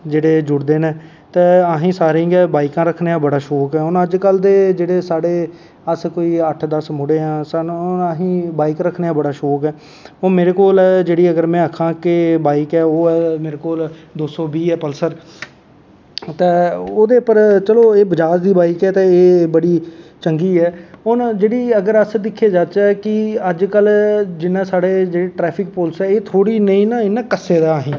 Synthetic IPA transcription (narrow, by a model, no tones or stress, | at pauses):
d͡ʒeːɽeːd͡ʒʊɽd̪eːnẽː | t̪ẽːaɦĩːsaːɾẽŋɡɛːbaːikãːɾəkʰneːãːbəɽaːʃɔːkɛːʊnəd͡ʒkəld̪eːd͡ʒeːɽeːsaːɽeː | əskoːiːəʈʰd̪əsmʊɽeːãːsaaːɦĩːbaːikɾəkʰneːãːbəɽaːʃɔːkɛː | oːmeːɾeːkoːld͡ʒeːɽiːəɡəɾmɛ̃ːəkʰːãːkɪbaːikɛːoːɛːmeːɾeːkoːld̪oːsɔːbiːɛːpəlsəɾ | t̪ẽːoːd̪eːpəɾt͡ʃəloːeːbəd͡ʒaːd͡ʒd̪iːbaːɪkɛːt̪ãːeːbəɽiːt͡ʃəŋɡiːɦɛːʊnd͡ʒeːɽiːəɡəɾəsd̪ɪkʰːeːd͡ʒaːt̪t͡ʃɛːkɪəd͡ʒkəld͡ʒɪnːãːsaːɽeːd͡ʒeːɽeːʈɾɛːpʰɪk̚poːlsɛːeːt̪ʰoːɽiːnəĩːnãːɪnːãːkəseːd̪aːɦĩː